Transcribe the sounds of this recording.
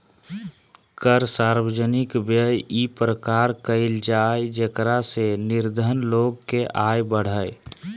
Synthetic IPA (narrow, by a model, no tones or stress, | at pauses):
kəɾsaːɾwəd͡ʒənɪkbəjipɾəkaːɾkəɪld͡ʒaːed͡ʒekɾasenɪɾd̪ʱənloːɡkeʔaːjbəɽ̤əj